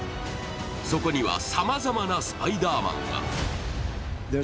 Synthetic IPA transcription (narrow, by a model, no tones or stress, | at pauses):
so̞ko̞ɲ̟iβa̰samazamanasɨ̥paid̪aːmã̰ŋɡa̰